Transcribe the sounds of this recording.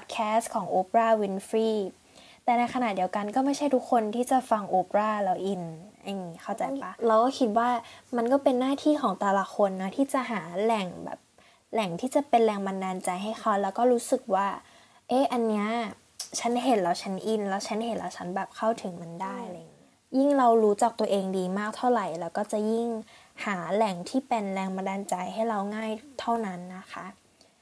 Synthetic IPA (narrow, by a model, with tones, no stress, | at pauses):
pʰːt̪̚kʰɛː˦˥skʰɔː˩˦ŋʔoː˧˥pɾaː˥˩wi˨˦˥nfɾiː˥˩ | t̪ɛː˨˩na˧jkʰa˧na˨˩t̪̚di˧˩ə˧wka˧nkɔː˥˩ma˥˩jt͡ɕʰa˥˩jt̪ʰu˦˥kʰːo˧nt̪ʰiː˥˩t͡ɕa˨˩fa˧ŋʔoː˧˥pɾaː˥˩lɛ˦˥wʔi˧nʔa˧ŋːiː˦˥xʰa˥˩wt͡ɕa˧˩jpa˦˥lɛː˧˥wkɔː˥˩kʰi˦˥t̪̚waː˥˩ma˧nkɔː˥˩pe˧nːaː˥˩t̪ʰiː˥˩kʰɔː˩˦ŋt̪ɛ˧la˧˩kʰo˧nːɔ˦˥t̪ʰiː˥˩t͡ɕa˨˩ʔɦaː˩˦lɛ˨˩ŋbɛ̰ː˨˩p̚ | lɛ˨˩ŋt̪ʰiː˥˩t͡ɕa˨˩pe˧nlɛː˧ŋma˧ndaː˧nt͡ɕa˧jɦa˥˩jxʰa˦˥wlɛː˦˥wkɔː˥˩ɾuː˦˥sɯ˨˩k̚waː˥˩ | ʔeː˦˥ʔa˧nːi˦˥ɐ | t͡ɕʰa˦˥nɦe˨˩˦nla˧˩wt͡ɕʰa˦˥nʔi˧nlɛː˦˥wt͡ɕʰa˦˥nhe˨˦nɾa̰˧˩wt͡ɕʰa˦˥nbɛː˨˩p̚kʰa˥˩wt̪ʰɯ˨˩˦ŋma˧ndaː˥˩jlaː˧jŋi˦˥ | ji˥˩ŋɾa˧wɾuː˦˥t͡ɕaː˨˩k̚t̪u˧ɐʔeː˧ŋdiː˧maː˥˩k̚t̪ʰa˥˩wɾa˨˩jlɛː˦˥wkɔː˥˩t͡ɕa˨˩ji˥˩ŋ | haː˩˦lɛ˨˩ŋt̪ʰiː˥˩pe˧nɾɛː˧ŋba˧ndaː˧nt͡ɕa˧jɦa˥˩jɾa˧wŋaː˥˩jt̪ʰa˥˩wna˦˥nːa˦˥xʰa˦˥ʔ